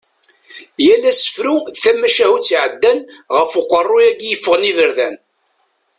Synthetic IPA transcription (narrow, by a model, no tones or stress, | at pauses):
jælːæsə̥fɾuθæmːæʃæhut͡sːʕəd̪ːænʁəfʊqʷːərˤːujæɡjəfːəʁnivəɾðæn